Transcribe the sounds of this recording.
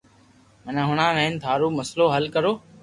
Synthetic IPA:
mənãːɦʊɽ̃ãːnəɪnt̪ʰaːɾoːməsloːɦəlkəɾoː

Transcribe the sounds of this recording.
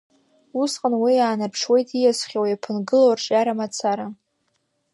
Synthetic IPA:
usqʼənwijaːnapʰʂwe̞jtʰijasχʲowajapʰɨnɡɨlowrʈ͡ʂʼaɾamat͡sʰaɾa

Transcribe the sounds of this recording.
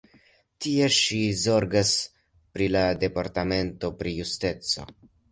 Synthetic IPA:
tie̞ʃizo̞ɾɡas | pɾilade̞paɾtame̞nto̞pɾijuste̞t͡so̞̰

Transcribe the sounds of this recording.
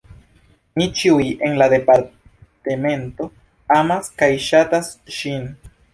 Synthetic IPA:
nit͡ʃiujʔenlad̪e̞paɾ | t̪eme̞nt̪o̞ | amaskajʃat̪asʃin

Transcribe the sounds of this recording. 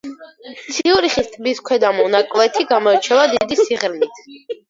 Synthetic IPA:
t̪sʰiuɾiχist̪ʰʼbiskʰwɛd̪amɔnakʼwɛt̪ʰiɡamɔɛt͡ʃʰɛvad̪id̪isiʁɾmit̪ʰ

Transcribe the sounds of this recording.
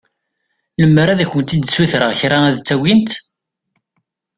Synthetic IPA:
ləmːɾæðæçənt̪id̪suθɾəʁçɾaæðt͡sːæwint̪

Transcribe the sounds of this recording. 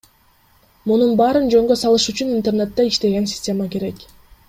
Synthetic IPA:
mununbɑːɾɯnd͡ʒø̞ŋɡø̞sɑlˠɯʃyt͡ʃynint̪e̞rnet̪ːeiʃt̪e̞ɡe̞nsʲɪ̥sʲtʲe̞make̞ɾe̞k

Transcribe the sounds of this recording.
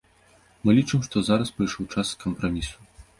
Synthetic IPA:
mɨlʲit͡ʂɨmʂt̪ɔzaɾɐspɾɨjʂɔwt͡ʂasːkɐmpɾamʲisu̥

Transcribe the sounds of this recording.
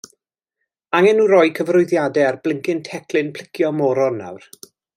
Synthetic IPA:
aŋɛnuɾɔjkʰəvrʊɨðjadɛarblɪŋkɪntʰɛkʰlɪnpʰl̥ɪkʰjɔmɔɾɔna̰wr

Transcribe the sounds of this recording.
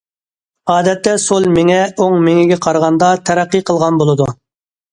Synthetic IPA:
ɑːd̪ɛt̪ːɛsolˠmɪŋɛoŋmɪŋɪɡʲɛqʰɑɾʁɑnd̪ɑt̪ʰæɾæqːiqʰəlˠʁɑnbolˠɨd̪u

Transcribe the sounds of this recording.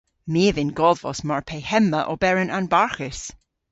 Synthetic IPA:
miːəvɪnɡɔdvɔsmɔɹpʰejhɛmːəʔɔbɛɹənanbaɹxɪs

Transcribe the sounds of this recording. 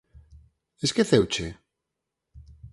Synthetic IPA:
eskeθewt͡ʃe

